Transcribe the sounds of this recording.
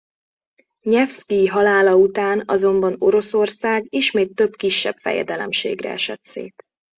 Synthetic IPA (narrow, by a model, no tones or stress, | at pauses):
ɲɛfskiɦɒlaːlɒut̪aːnɒ̰zo̞mbɒno̞ɾo̞so̞rsaːɡiʃmeːt̪ːø̞bkiʃːɛbfɛ̰jɛ̰d̪ɛlɛmʃḛːɡrɛ̰ɛʃɛt̪sḛːt̪